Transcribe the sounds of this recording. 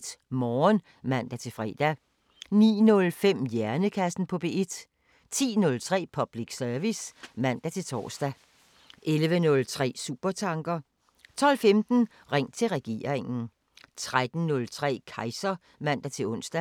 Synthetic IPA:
d̥mɒːn | mæn̰d̥æt͡sʰe̝fʁɛ̰ːd̥æ | nḭːnɔ̽lfem̰jæɐnəkʰæsn̩pʰɒ̽b̥e̝ːe̝d̥ | t͡sʰḭːnɔ̽lt͡sʰʁɛ̰ːpʰɒ̽b̥liɡ̥sœɐʋismæn̰d̥æt͡sʰe̝lt͡sʰɒ̰ːsd̥æ | ʔelʋənɔ̽lt͡sʰʁɛ̰ːsṵːb̥ɐt͡sʰɑ̈ŋɡ̥ɐ | t͡sʰɒ̽l̰femd̥n̩ | ʁeŋ̰t͡sʰe̝lʁɛɡ̥e̝̰ːɐ̰ʁeŋn̩ | t͡sʰʁad̥n̩nɔ̽lt͡sʰʁɛ̰ːkʰɑ̈ɪsɐ | mæn̰d̥æt͡sʰe̝lɔ̽n̰sd̥æ

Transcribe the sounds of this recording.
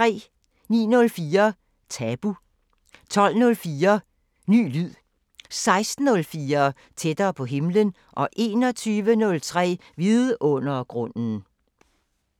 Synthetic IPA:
t͡sʰʁɛ̰ː | nḭːnɔ̽lfiːɐ | t͡sʰɛb̥u | t͡sʰɒ̽l̰nɔ̽lfiːɐ | ny̰ːlyð̰ˠ | sɑ̈ɪsd̥n̩ɔ̽lfiːɐ | t͡sʰed̥ɐːpʰɒ̽ɦe̝mlən | ʔɒ̽ʔe̝ːnɒ̽t͡sʰyːʋənɔ̽lt͡sʰʁɛ̰ːʋið̩ˠʔɔ̽n̰ɐɡ̥ʁɔ̽n̰n̩

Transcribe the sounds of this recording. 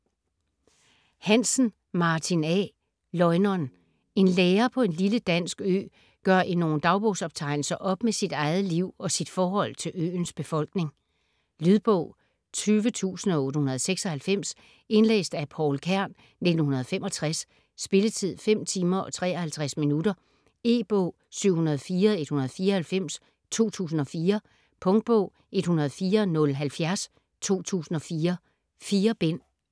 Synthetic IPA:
hæn̰sn̩ | mɑ̈ːt͡sʰinɛ | lɒ̽ɪnɒn | e̝nleːɐpʰɒ̽e̝nliləd̥æn̰sɡ̥ø̰ː | ɡ̥ɶɐ̰ʔino̝ːn̩d̥ɑ̈ʊb̥oːsɒ̽b̥̚t͡sʰɑ̈ɪ̰nl̩sɐʔɒ̽b̥mesid̥ɑ̈ɪð̩ˠliʊ̰ɒ̽sid̥fɒːhɒ̽l̰t͡sʰe̝lø̰ːnsb̥e̝fɒ̽l̰ɡ̥ne̝ŋ | lyðˠb̥ɔ̰ʊ̰ | t͡sʰyːʋət͡sʰṵːsn̩ɒ̽o̽ːɾəhunɐðˠseɡ̥sɒ̽hælfem̰s | e̝nlḛːsd̥æpʰɒʊlkʰæɐ̰n | ne̝d̥n̩hunɐð̞̩ˠfemʔɒ̽t͡sʰʁasː | b̥e̝lət͡sʰið̞̰ˠfem̰t͡sʰiːmɐʔɒ̽t͡sʰʁɛ̰ːɒhælt͡sʰʁasminudɐ | e̝̰ːb̥ɔʊ̰ | syʊ̰hunɐð̞ˠfiːɐe̝d̥hunɐð̞̩ˠfiːɐhælfem̰s | t͡sʰo̝̰ːt͡sʰṵːsn̩ɒ̽fiːɐ | pʰɔ̽ŋd̥̚b̥ɔ̰ʊ̰ | e̝d̥hunɐð̞̩ˠfiːɐnɔ̽lɦælfjæɐs | t͡sʰo̝̰ːt͡sʰṵːsn̩ɒ̽fiːɐ | fiːɐb̥en̰

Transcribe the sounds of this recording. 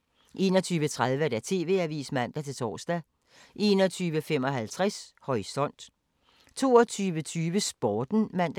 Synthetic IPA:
ʔe̝nɒt͡sʰyːʋət͡sʰʁaðˠʋəɾ̥æt͡sʰe̝̰ːʋe̝æʋḭːsmæn̰d̥æt͡sʰe̝t͡sʰɒ̰ːsd̥æ | ʔe̝ːnɒ̽t͡sʰyːʋəfemɒ̽ɦælt͡sʰʁashɒ̽isɒ̽n̰d̥ | t͡sʰo̝ːɐt͡sʰyːʋət͡sʰyːʋəsb̥ɒːd̥n̩mæn̰d̥æ

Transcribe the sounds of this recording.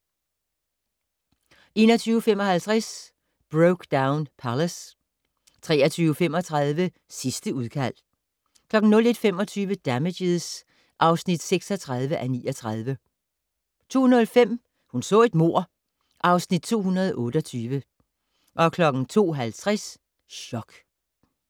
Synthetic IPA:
ʔe̝ːnɒ̽t͡sʰyːʊəfemɒ̽hælt͡sʰʁas | b̥ʁoʊɡ̥d̥äʊnpʰæləs | t͡sʰʁɛ̰ːɐt͡sʰyːʊəfemɒ̽t͡sʰʁɑð̞ˠʋə | sisd̥əuðˠkʰæl̰ | kʰlɒ̽ɡ̥n̩nɔ̽le̝d̥fem̰ɒ̽t͡sʰyːʋəd̥æmedeðˠs | ʔɑ̈ʊsnid̥seɡ̥sɒt͡sʰʁɑð̞ˠʋəʔæniːɒt͡sʰʁɑð̞ˠʋə | t͡sʰo̝̰ːunɐfem̰ | hunsɔ̰̽ːe̝d̥̚mo̝ɐ̰ | ʔɑ̈ʊsnid̥̚t͡sʰo̝̰ːɦunɐð̞ˠʔɔ̽ːɾ̥əɒt͡sʰyːʋə | ʔɒ̽kʰlɒ̽ɡ̥n̩t͡sʰo̝̰ːɦælt͡sʰʁas | ɕɒ̽ɡ̥

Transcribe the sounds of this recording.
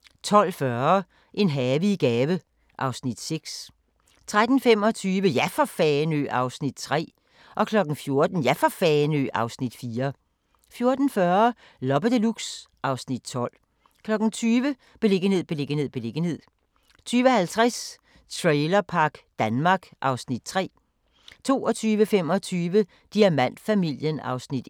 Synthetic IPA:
t͡sʰɒ̽l̰fɶɐ | ʔe̝nɦɛːʋiɡ̥ɛːʋə | ʔɑ̈ʊsnid̥seɡ̥s | t͡sʰʁad̥n̩fem̰ɒ̽t͡sʰyːʋəjæfɒfɛːnø̰ːʔɑ̈ʊsnid̥̚t͡sʰʁɛ̰ː | ʔɒ̽kʰlɒ̽ɡ̥n̩fjo̝ɐd̥n̩jæfɒfɛnø̰ʔɑ̈ʊsnid̥fiːɐ | fjo̝ɐd̥n̩fɶɐ | lɒb̥əd̥əluɡ̥sʔɑ̈ʊsnid̥̚t͡sʰɒ̽l̰ | kʰlɒ̽ɡ̥n̩t͡sʰyːʋə | b̥e̝le̝ɡ̥ənhe̝ð̞̰ˠb̥e̝le̝ɡənhe̝ð̰ˠb̥e̝le̝ɡ̥ən̩he̝ð̞̰ˠ | t͡sʰyːʋəhælt͡sʰʁas | t͡sʰʁɛɪlɐpʰɑ̈ɡ̥d̥ænmɑ̈ːɡ̥ʔɑ̈ʊsnid̥̚t͡sʰʁɛ̰ː | t͡sʰo̝̰ːɒt͡sʰyːʋəfem̰ɒt͡sʰyːʋə | d̥iæmæn̰d̥fæmil̰jənɑ̈ʊsnid̥

